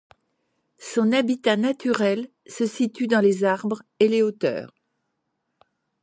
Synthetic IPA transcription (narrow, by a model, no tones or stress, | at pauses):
sɔ̃nabit̪anat̪yʁɛl | səsit̪yd̪ɑ̃lezaʁbʁeleot̪œ̰ːʁ